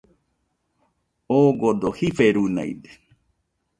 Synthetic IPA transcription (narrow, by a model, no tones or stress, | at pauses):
oɡod̪ohifeɾuna̰j̰de̥